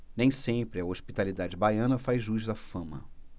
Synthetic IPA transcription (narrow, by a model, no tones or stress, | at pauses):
nẽj̃sẽpɾɪɐoʃpit̪alid̪ad͡ʒɪbajɐ̃nɐfajzʒuʒd̪ɐfɐ̃mɐ̰